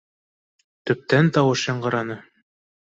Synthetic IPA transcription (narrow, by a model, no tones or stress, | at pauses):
t̪ɵ̆p̚t̪ænt̪ɑwɤʃjɑɴɢɤ̆ɾɑnɤ